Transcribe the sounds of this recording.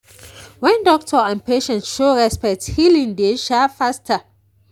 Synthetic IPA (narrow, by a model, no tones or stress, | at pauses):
wɛ̃ndɔk̚tʰɔãnpeʃɛ̃ntʃoɹɛspɛk̚thilĩŋdeʃafastʰa